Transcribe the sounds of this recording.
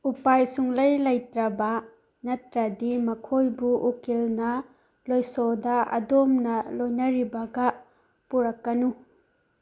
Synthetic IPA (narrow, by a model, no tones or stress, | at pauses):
upajsuŋlɐjlɐjtɾɐbɐ | nɐtɾɐdimɐkʰojbuʔːkelnɐ | lojsɔdɐʔɐ̰domnɐlojnɐɾibɐɡɐ | puɾɐkːɐnu